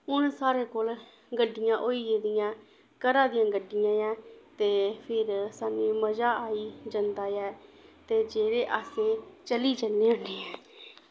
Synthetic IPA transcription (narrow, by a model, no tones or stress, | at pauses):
ʊnsaːɾeːkoːl | ɡəɖːɪjãːʔoːiːd͡ʒeːd̪ɪjãː | kəɾãːd̪ɪjãːɡəɖːɪjãːjãːt̪eːpʰɪɾsaːneːməd͡ʒaːaːiːd͡ʒənd̪aːjɛːt̪eːd͡ʒeːɾeːʔaːseːt͡ʃəliːd͡ʒənːeːʊɳeːɛː